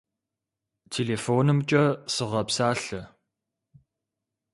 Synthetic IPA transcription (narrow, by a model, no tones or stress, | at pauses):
tʰeːleːfoːnɨmt͡ʃʼɐsɨʁɐpsaːɬɐ